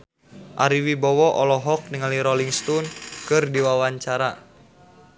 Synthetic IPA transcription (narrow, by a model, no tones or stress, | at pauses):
ʔaɾiwibɔwɔʔɔlɔɦɔk̚niŋaliɾɔliŋst̪unkɨrdiwawaɲt͡ʃaɾa